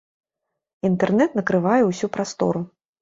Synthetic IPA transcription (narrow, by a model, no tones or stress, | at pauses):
int̪ɛrnɛt̪nɐkɾɨvajɛwsʲupɾast̪ɔ̰ɾu